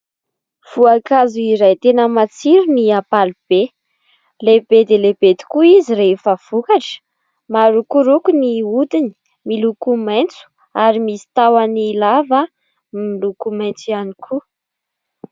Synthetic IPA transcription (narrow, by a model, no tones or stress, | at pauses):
v̥uakazuiɾajt̪enəmat͡siɾiniapalib̥e | lebed̪eleb̥ed̪i̥kuiziɾefəv̥ukaʈ͡ʂə̥ | maɾukuɾukuniud̪ini̥ | milukumajnt͡su̥ | aɾimisi̥t̪awanilavə | milukumajnt͡sianikʰu